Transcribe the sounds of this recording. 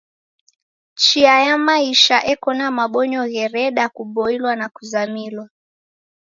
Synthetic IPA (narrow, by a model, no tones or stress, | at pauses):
t͡ʃiajamaiʃaʔɛkɔnamaɓɔɲɔɣɛɾɛɗakuɓɔilwanakuzamilwa